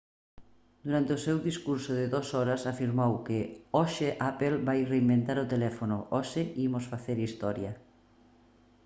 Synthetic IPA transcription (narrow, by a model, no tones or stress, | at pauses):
d̪uɾant̪eosewðiskuɾsoðeðɔsɔɾasafiɾmowkeɔʃeʔapelbajreimbẽnt̪aɾot̪elɛfonoʔɔʃeimosfaθeɾist̪ɔɾja